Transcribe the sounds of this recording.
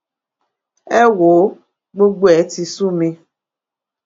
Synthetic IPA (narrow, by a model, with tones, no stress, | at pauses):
ɛ˦wo˨˦ | ɡ͡bo˦ɡ͡bʷɛ˨˦ti˨su˦mẽ˨